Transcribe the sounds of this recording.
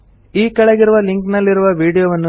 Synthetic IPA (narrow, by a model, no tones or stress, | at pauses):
iːkɐɭeɡiɾuʋɐliŋknɐlːiɾuʋɐʋiːɽijoʋɐnːu